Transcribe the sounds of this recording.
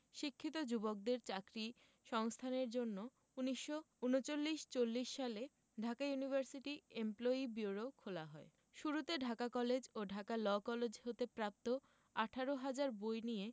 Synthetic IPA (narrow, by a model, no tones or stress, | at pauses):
ʃikʰːit̪od͡ʑubok̚d̪eɾt͡ɕakɾi | ʃɔŋst̪ʰaneɾd͡ʑonːo | uniʃːo | unot͡ɕolːiʃt͡ɕolːiʃːale | ɖʱakajunibʱaɾsiʈiemploibiuɾokʰolaɦɔe | ʃuɾut̪eɖʱakakɔled͡ʑoɖʱakalɔkɔled͡ʑɦot̪epɾap̚t̪o | aʈʰaɾoɦad͡ʑaɾbojnije